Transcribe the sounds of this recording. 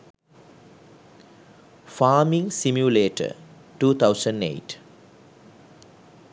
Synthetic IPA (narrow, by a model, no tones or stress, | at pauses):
faːmĩŋsimjuleːʈə̰ | ʈuːt̪ʰaʊsə̃ɳɖḛːʈ